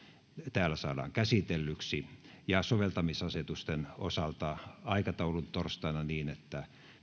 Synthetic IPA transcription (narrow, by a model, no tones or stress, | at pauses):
t̪æːlːæsɑːdɑ̰ːŋkæsit̪elːyksi | jɑsoʋelt̪ɑmisɑset̪ust̪eno̰sɑlt̪ɑɑikɑt̪ɑulunt̪orst̪ɑnɑniːnet̪ːæ